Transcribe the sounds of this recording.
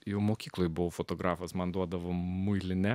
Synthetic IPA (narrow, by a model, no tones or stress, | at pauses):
jɛʊmoːkʲiːklˠoːjbʊʋofot̪oːɡɾɑːfosmɐnd̪uɔd̪ɐʋomʊɪlʲɪnʲɛ